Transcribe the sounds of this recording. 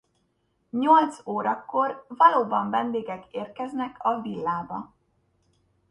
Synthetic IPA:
ɲo̞lt̪soːɾɒkːo̞rvɒloːbɒɱvɛnd̪eːɡɛkeːrkɛznɛkʰɒvilːaːbɒ

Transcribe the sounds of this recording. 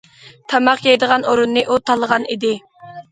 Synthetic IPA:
t̪ʰɑmɑqjɛjd̪əʁɑnoɾunːɨʔut̪ʰɑlˠəʁɑnid̪ɪ

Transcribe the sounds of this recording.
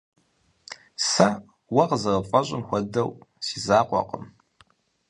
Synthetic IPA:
sɐ | wɐqəzɐʁɐpʼɐɕʼɪmxʷɔdɐwsiːzaːqʷʼɔ̰qəm

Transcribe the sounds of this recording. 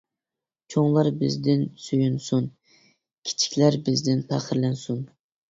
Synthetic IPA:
t͡ʃʰoŋlˠɑɾbɪzd̪ɪnsyjunsun | kʲʰi̥t͡ʃʰi̥kʲlæɾbɪzd̪ɪnpʰæχəɾlɛnsun

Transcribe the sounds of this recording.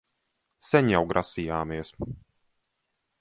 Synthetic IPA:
sɛɲjawɡɾʔasijaːmiɛs

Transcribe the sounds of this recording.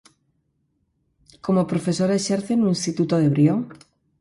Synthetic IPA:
ko̞mopɾofe̞so̞ɾaeʃeɾθenũĩnst̪it̪ut̪oðe̞βɾjo

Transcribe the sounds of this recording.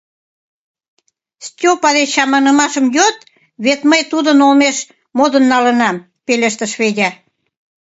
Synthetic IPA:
stʲopɑd̪eɑmɑnə̆mɑʃəmjot̪ | βet̪məjt̪ud̪ənolmeʃ | mod̪ənːɑlənɑm | peleʃt̪əʃβedʲɑ

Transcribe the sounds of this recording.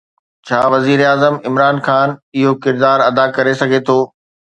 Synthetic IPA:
t͡ɕʰaːʋɐziːɾeaːzəmɪmɾaːnxaːnɪɦokɪɾd̪aːɾɐd̪akɐɾesɐɡʱet̪ʰoː

